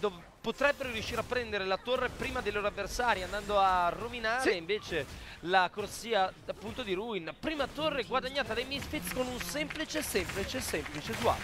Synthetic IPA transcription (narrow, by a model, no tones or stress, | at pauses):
d̪oːve | pot̪ɾɛbːeɾoɾjuʃːiːɾapːɾɛnd̪eɾelat̪orːepɾiːmad̪ejloːɾoavːersaːɾiand̪and̪oarːominaːɾeiɱveːt͡ʃelakorsiːaapːunt̪od̪iɾuinpɾiːmat̪orːeɛɡwad̪aɲːaːt̪ad̪ajmisfit̪skonunsɛmplit͡ʃesɛmplit͡ʃesɛmplit͡ʃezua̰